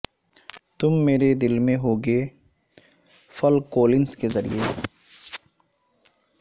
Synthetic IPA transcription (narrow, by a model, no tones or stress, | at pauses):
t̪ʊmːeːɾed̪ɪlmẽɦoːɡeː | fɐlkoːlɪnskezɐɾḭje